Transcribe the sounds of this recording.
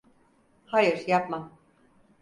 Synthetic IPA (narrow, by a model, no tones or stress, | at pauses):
hajɯɾ̥japmam